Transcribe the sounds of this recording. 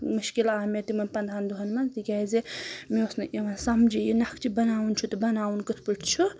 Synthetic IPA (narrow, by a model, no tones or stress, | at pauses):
muʃkilaːmet̪imɐnpɐnd̪ʱand̪uɦɐnmant̪ikʲazemeosnɨʔeʋansɐmd͡ʒijinɐkʰt͡ʃʰibɐnaːunt͡ʃʰut̪ɨbɐnawnkɨt̪ʰpɨʈʰt͡ʃʰu